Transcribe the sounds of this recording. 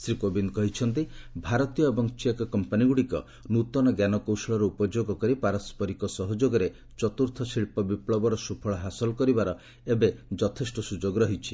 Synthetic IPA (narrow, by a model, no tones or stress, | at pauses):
sɾikobinkɔɦit͡ʃʰɔnt̪̬ibʱaɾɔt̪ijɔebɔŋt͡ʃiekɔkɔmpaniɡuɽikɔ̰ | nut̪ɔnɔɡjanɔkowsɔɭɔɾɔupɔd͡ʒoɡɔkɔɾipaɾɔspɔɾikɔsɔɦɔd͡ʒoɡɔɾe | t͡ʃɔt̪uɾt̪ʰɔsiɭpɔbipɭɔbɔɾɔsupʰɔɭɔɦasɔlɔkɔɾibaɾɔ | ebed͡ʒɔt̪ʰesʈɔsud͡ʒoɡɾɔɦit͡ʃʰi̥